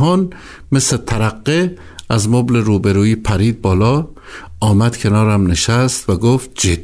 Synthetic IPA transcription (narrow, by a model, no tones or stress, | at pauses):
ɦɒːn | meslet̪ʰæɾæqːe | ʔæzmobleɾuːbeɾuːiːpʰæɾiːd̪̚bɒːlɒː | ɒːmæd̪̥kʲʰe̞nɒːɾæmneʃæst̪væɡoːft̪̚d͡ʒi̥